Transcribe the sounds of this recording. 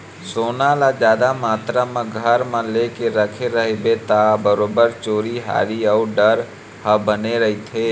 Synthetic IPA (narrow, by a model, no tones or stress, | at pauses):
soːnalad͡ʒjaːd̪amaːt̪ɾamãɡʱəɾmãlekeɾəkʰeɾəɦebet̪abəɾoːbəɾt͡ʃoːɾiɦa̰ːɾiəuɖəɾ | həbəneɾəɦit̪ʰeː